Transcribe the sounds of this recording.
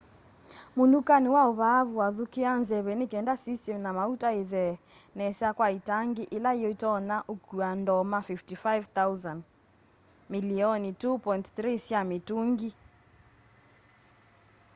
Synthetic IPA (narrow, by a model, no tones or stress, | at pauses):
mundukaniwaoβaβuwaðukeanzɛβɛnekɛndasistɛmnamautaeðɛ | nɛsɛakwaitaŋɡiʔelaijɔitɔnaʔokuandɔmafiftifajvt̪auzand | miliɔnitupɔintθɾisjametuŋɡi